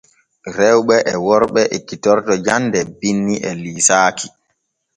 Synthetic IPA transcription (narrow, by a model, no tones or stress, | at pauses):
ɾɛwɓɛʔɛwɔɾɓɛʔekitɔɾtɔd͡ʒandɛbinːiʔɛliːsaːki̥